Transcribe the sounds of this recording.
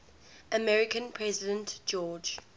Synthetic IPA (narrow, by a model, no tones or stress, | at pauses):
ʔəmɛɹɪkə̃npʰɹɛzɪdə̃ntd͡ʒɔːd͡ʒ